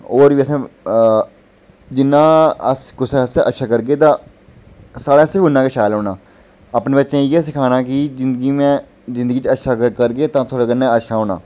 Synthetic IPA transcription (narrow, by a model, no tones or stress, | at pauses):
oːɾʋiəsẽː | d͡ʒɪnːãːəskʊsɛsʔətːʃʰaːkəɾɡeːt̪ãː | saːɽaːsɪɾʊnːãːkeːʃaːjlɦoːnaː | aːpneːbətːʃẽːjeːsɪkʰaːnaːkɪzɪ̃nd̪əɡiːmɛ̃ː | zɪ̃nd̪əɡiːt͡ʃətːʃʰaːkkəɾɡeːt̪ãːt̪ʰoːɽeːkənːẽːətːʃʰaːɦoːna̰ː